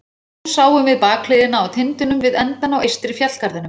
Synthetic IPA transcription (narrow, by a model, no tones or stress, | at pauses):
saːwʏmvɪðpaːkʰleːjðɪnaawt̪ʰɪnt̪ʏnʏmvɪðɛnt̪anːawʔejst̪ɾɪfjat̪kaɾðʏnʏ